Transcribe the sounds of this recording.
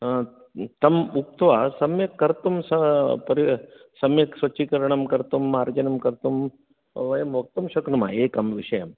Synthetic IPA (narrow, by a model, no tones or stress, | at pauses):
t̪ɐmukt̪ʋasɐmjɐkːɐɾt̪umsɐpɐɾi | sɐmjɐksʋɐt͡ʃikɐɾɳɐmkɐɾt̪umːaɾd͡ʒɐnɐmkɐɾt̪um | ʋɐjɐmʋɐk̚t̪umʃɐknuma̰ekɐmʋiʂɐjɐm